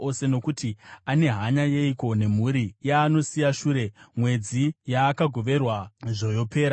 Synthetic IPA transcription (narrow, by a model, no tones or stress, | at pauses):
o̞se̞no̞kutiane̞ɦaɲaje̞iko̞ne̞muɾijaːno̞sijaʃuːɾe̞mwe̞d͡zijaːkaɡʱo̞ʋe̞rwaʐojo̞pe̞ːɾa